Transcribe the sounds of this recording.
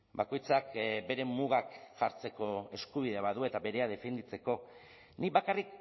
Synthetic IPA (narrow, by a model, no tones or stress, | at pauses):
bako̞jt͡sakbe̞ɾe̞muɣ̞akʝa̰ɾt͡se̞ko̞e̞skuβ̞ið̞eβaðue̞t̪aβe̞ɾe̞að̞e̞fe̞nd̪it͡se̞ko̞ | niβakarik